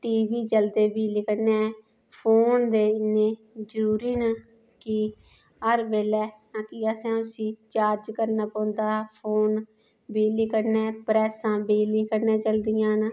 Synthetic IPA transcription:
ʈiːʋiːt͡ʃəld̪eːbiːlɪkəɽnɛː | pʰoːnd̪eːɪnẽː | d͡ʒəɾuːɾiːnə | kɪ | ɦəɾʋeːlɛː | ãːkɪaːsɛ̃ːʊsĩːt͡ʃaːɾd͡ʒkəɾnaːpə̃ːnd̪aːpʰoːn | biːlɪkəɾnɛ̃ːpɾɛːsãːbeːliːkəɾnẽːt͡ʃəld̪ɪjãːn

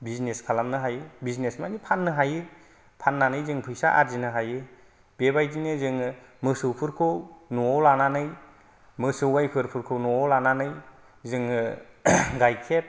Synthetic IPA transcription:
bizneskʰalamnɯɦajɯbiznesmanipʰanːɯɦajɯ | pʰanːanɯjzɯŋpʰɯjsa̰ʔa̰ɾzinɯɦajɯ | b̥ebajdinɯzɯŋɯmɯsɯwpʰɯɾkʰɯwnuɔlananɯj | mɯsɯwajpʰɯɾpʰɯɾkʰɯwnɔɔlananɯj | zɯŋɯ | ɡajkʰet̚

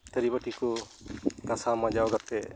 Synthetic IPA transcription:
t̪əɾibaʈiku | ɡasamad͡ʒaɔɡat̪ɛ

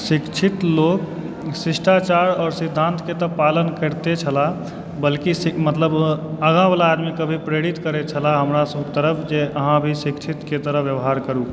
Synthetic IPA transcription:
sikt͡ʃʰit̪lok | sisʈat͡ʃaɾɔːɾsid̪ʱːant̪ket̪əpalənkəɾt̪et͡ʃʰəla | bəlkisimət̪ləbəɡãbalaːd̪mikəbʱipɾeɽit̪kəɾet͡ʃʰəlaɦəmɾasəbket̪əɾəpʰd͡ʒeəɦãbʱisikt͡ʃʰit̪ket̪əɾəʋjəbɦaɾkəɾu

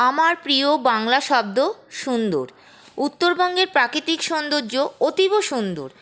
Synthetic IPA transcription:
amaɾpɾiobaŋlaʃɔb̚d̪oʃund̪o̰ɾ | ut̪ːoɾbɔŋɡeɾpɾakɾit̪ikʃɔnd̪od͡ʑoot̪iboʃund̪o̰ɾ

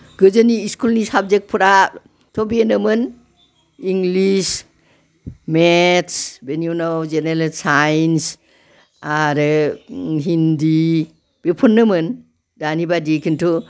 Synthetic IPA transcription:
ɡɯzɯniːskulnisab̚d͡ʒek̚pʰɯɾa | tʰɔbienɯmɯn | iŋɡlis | metsbenjunawd͡ʒenelsajns | aɾɯ | ɦindi | b̥epʰɔnːɯmɯn | danibadiekʰintʰu

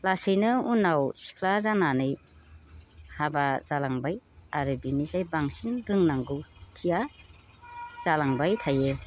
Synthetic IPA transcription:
lasɯjnɯunːawsi̥kʰlazananɯj | habazalaŋbajaɾɯbinisajbaŋsinɾɯŋnaŋɡɯwtʰija | z̥alaŋbajtʰaje

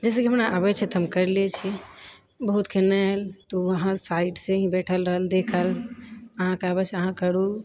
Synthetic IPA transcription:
d͡ʒɛs̬ekiɦəmnaʔabɛt͡ʃʰɛt̪əmkəɾlet͡ʃʰɛ | bəɦut̪kʰenɛlt̪oəɦãsaiɖseɦĩbɛʈʰəlɾəɦəld̪ekʰələɦãkeabɛt͡ʃʰəɦãkəɾu

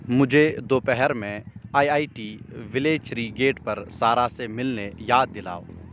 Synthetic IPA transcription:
mʊd͡ʒʱed̪oːpɛɦɛɾmẽaːiaːiʈiːʋɪleːd͡ʒt͡ʃɾiɡeːʈpɐɾsaːɾasemɪlnejaːd̪̚ːɪla̰ːoː

